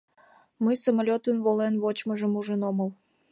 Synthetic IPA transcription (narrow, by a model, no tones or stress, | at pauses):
məjsəmalʲot̪ənβolenβot͡ɕməʒəmuʒənoməl